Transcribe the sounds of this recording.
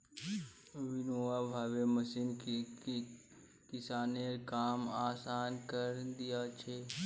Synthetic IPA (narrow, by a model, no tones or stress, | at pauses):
ʋɪnoːabʱaːʋeməsin | kɪsaːneɾkaːmaːsaːnkəɾd̪ɪjat͡ʃʰe